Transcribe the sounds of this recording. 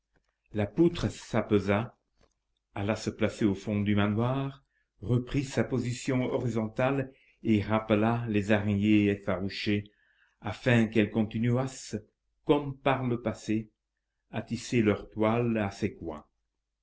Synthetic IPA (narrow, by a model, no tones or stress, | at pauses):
laput̪χəsapøza | alasəplaseofɔ̃d̪ymanwaːʁ | ʁəpχisapozisjɔ̃ɔʁizɔ̃t̪al | eʁapəlalezaʁɲeefaʁuʃe | afɛ̃kɛlkɔ̃t̪inyas | kɔmpaʁləpase | at̪iselœʁt̪walasekwɛ̰̃